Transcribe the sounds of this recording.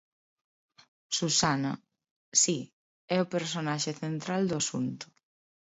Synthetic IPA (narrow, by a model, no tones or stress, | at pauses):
susanɐ | si | ɛʊpeɾsonaʃeθent̪ɾald̪ʊasunt̪ʊ̥